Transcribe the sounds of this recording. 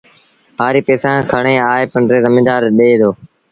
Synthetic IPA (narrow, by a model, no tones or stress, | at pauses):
ɦaːɾiːpeːsãːkʰəɽɳ̃eːaːeːpəɳɖɾeːzəmɪːd̪aːɾɗeːd̪oː